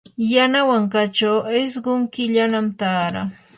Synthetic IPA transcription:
janawaŋkat͡ʃawɪsɢʊŋkɪʎanamt̪aːɾa̰

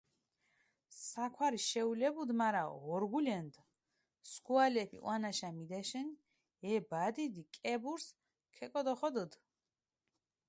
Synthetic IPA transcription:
sakʰwaɾiʃɛulɛbud̪maɾaɔ̰ɔɾɡulɛnd̪ | skualɛpʰḭʔw̰anaʃamid̪ɛʃɛn | ɛbad̪id̪ikʼɛbuɾs | kʰɛkʼɔd̪ɔχɔd̪əd̪

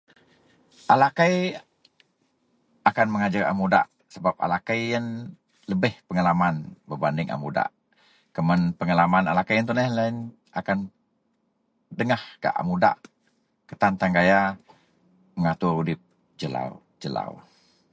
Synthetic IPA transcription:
ʔalakaj | akanməŋad͡ʒara̰muda̰ʔ | səbap̚a̰lakajːən | ləbɪhpəŋalamanbərbandɪŋʔa̰muda̰ʔ | kəmənpəŋalamanalakajant̪unɛlain | akan | dəŋahka̰ʔa̰muda̰ʔ | kət̪ant̪aŋɡaja | məŋat̪urudɪp̚ | d͡ʒəla̰w | d͡ʒəla̰w

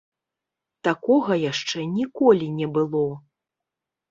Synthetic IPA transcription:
t̪akɔɣɐjaʂt͡ʂɛnʲikɔlʲinʲɛbɨlˠɔ

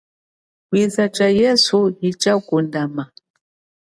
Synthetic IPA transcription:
kwizat͡ʃajɛsuhit͡ʃakundama

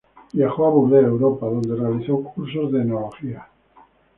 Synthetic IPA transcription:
jaxoaβulðeɾewɾopaðo̞nd̪erealiθowkʰuɾs̬ozðenoloxia

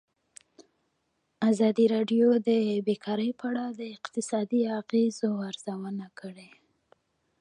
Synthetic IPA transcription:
azɑd̪iɾɑɖjod̪əbekʰɑɾəjpəaɽawd̪əɪqt̪ɪsɑd̪iaɣezoaɾz̥awənakəɽe

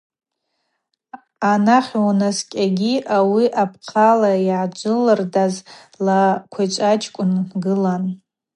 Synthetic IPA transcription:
anaχʲwnaskʲʼaɡʲiʔawiʔapʰqʰalaiʕad͡ʒʷɨlɨrdaz | lakʷʰat͡ʃʷʼat͡ʃʰʼkʷʼʊnɡɨlan

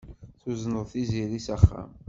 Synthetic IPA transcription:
θuznəðˤθiziɾisæχːæ̰m

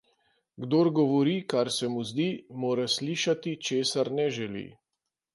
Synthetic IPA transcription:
ɡd̪oːɾɡɔʋɔɾikaɾsɛmuzd̪iːmoːɾasliːʃat̪it͡ʃeːsaɾnɛʒɛlḭ

